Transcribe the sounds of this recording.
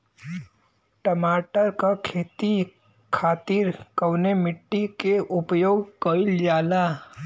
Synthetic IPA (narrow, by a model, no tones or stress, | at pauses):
ʈɐmaːʈəɾkakʰeːt̪i | kʰaːt̪ɪɾkɐwnemɪʈːikeʔʊpjoːɡkəɪld͡ʒaːla